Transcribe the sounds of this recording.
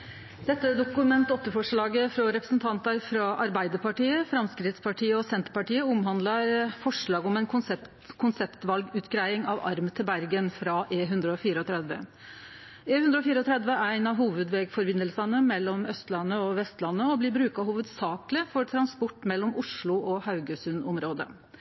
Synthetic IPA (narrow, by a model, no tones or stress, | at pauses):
d̪ɛt̪ːəd̪ʊkʉmɛnt̪ɔt̪ːəfɔʂɭɑːɡəfɾɔɾɛpɾəsnt̪ʰɑnt̪əɾfɾɑʔɑɾbæɪd̪əɾpɑʈiːəfɾɑmskɾɪt̪spʰɑʈʰiːəɔsɛnt̪əɾpɑʈiːəʊmɦɑnd̪lɑɾfɔʂɭɑːɡɔmæɪnkʰʊ | kʰʊnsɛpt̪ʋɑlɡʉːt̪ɡɾæɪɪŋɑʋɑ̰ɾmət̪ʰɪlbæɾɡənfɾɑʔeːɦʉnd̪ɾəɔfiːɾəɔt̪ʰɾɛd̪ʋə̰ | eːʉnd̪ɾəɔfiːɾəɔt̪ʰɾɛd̪ʋəʔææɪnɑɦuːʋəd̪ʋeːɡfɔɾbɪnːəlsənəmɛlːɔmœst̪lɑnːəɔʋɛst̪lɑnːəɔblɪbɾʉːkɑhuːʋəd̪sɑːklɪfɔɾʈʰɾɑnspɔʈːmɛlːɔmʊʂɭʊʔɔhɑʉɡəsʉnɔmɾoːd̪ə̰